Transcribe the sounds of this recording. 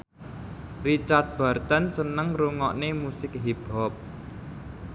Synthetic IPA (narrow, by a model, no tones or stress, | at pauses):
rit͡ʃard̪̚b̥a̤rt̪ənsənəŋɾuŋɔʔnemusɪk̚ɦib̥ɔ̤p̚